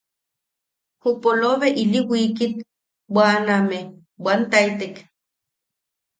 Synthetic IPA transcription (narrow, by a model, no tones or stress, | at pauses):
hupoloβeiliwikit̪ | waname | want̪ait̪ek